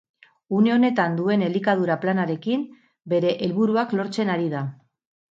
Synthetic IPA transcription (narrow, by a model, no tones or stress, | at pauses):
une̞o̞ne̞t̪and̪ue̞ne̞likaðuɾaplanaɾe̞kim | be̞ɾe̞ʔelβuɾuaklo̞ɾt͡se̞naɾið̞a